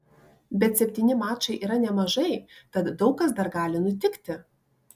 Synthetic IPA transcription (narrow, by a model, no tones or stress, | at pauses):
bʲɛt̪sʲɛpʲt̪ʲiːnʲɪmɑːt͡ʃɐɪʔiːɾɐnʲɛmɐʒɐɪt̪ɐt̪d̪ɒʊkɐs̬d̪ɐɾɡɑːlʲɪnʊt̪ʲɪkt̪ʲɪ